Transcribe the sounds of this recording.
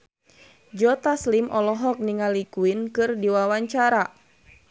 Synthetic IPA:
d͡ʒɔt̪aslimʔɔlɔɦɔk̚niŋalikuinkɨrdiwawaɲt͡ʃaɾa

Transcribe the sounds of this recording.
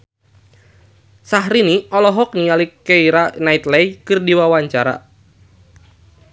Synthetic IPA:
saɦɾiniɔlɔɦɔk̚nialikeiɾanait̪lɛjkɨrdiwawaɲt͡ʃaɾa̰

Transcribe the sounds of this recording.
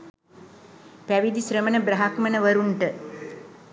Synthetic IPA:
pæʋid̪isɾəmənəbɾɐɦakmənəʋɐɾuɳʈə

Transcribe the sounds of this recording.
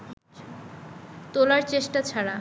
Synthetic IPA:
t̪olaɾt͡ɕeʃʈat͡ɕʰaɾa

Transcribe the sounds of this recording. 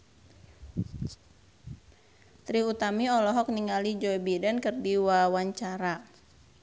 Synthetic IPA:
t̪ɾiut̪amiɔlɔɦɔk̚niŋalid͡ʒɔibidankərdiwawaɲt͡ʃaɾa

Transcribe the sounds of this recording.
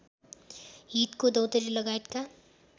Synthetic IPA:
ɦit̪kod̪ʌwt̪ʌɾilʌɡaet̪ka

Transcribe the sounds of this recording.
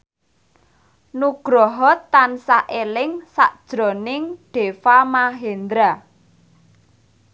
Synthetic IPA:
nuɡ̥ɾɔɦɔt̪ːansaʔelɪŋsa̰ʔd̥ʒ̥ɾɔ̤nɪŋɖ̪̥e̤famaɦend̪ɾa

